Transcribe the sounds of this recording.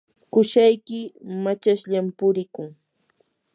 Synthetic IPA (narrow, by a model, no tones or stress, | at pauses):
kʊʃajkɪmat͡ʃaʃʎampʊɾɪkʊŋ